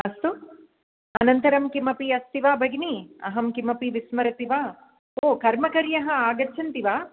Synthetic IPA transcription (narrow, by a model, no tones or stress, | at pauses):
ɐst̪u | ɐnɐnt̪ɐɾɐmkimɐpiɐst̪iʋaːbʱɐɡniɐ̰ɦɐmkimɐpiʋismɐɾɐt̪iʋaː | oːkɐɾmɐkɐɾjɐɦɐ̆aːɡɐt͡ʃʰɐnt̪iʋaː